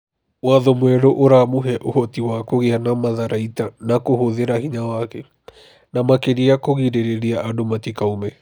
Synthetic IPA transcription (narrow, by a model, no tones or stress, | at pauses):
waðɔmwɛɾoʔoɾamuɦɛʔohɔtiwakoɣeanamaðaɾaitanakohoðeɾahiɲawakɛ | namakeɾiakoɣiɾeɾeɾiaʔadomatikaumɛ